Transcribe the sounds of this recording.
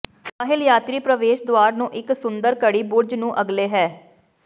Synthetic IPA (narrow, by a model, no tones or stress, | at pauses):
ɾaːɦɪljaːt̪ɾiːpɾəʋeːʃd̪owaːɾnũːʔɪksʊnd̪əɾkəɽiːbʊɾd͡ʒnũːʔəɡleːɦɛː